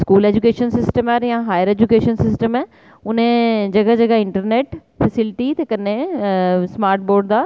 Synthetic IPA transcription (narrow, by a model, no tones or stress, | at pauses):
skuːleːd͡ʑukeːʃənsɪsʈəmaːɾjãɦaːjəɾeːd͡ʑukeːʃənsɪsʈəmɛ | ʊnẽd͡ʑɐɡəd͡ʑɐɡəɪ̃ɳʈəɾneːʈ | fɛsɪlɪʈit̪ʰekɐne | smaːɾʈ̚boːɾɖd̪aː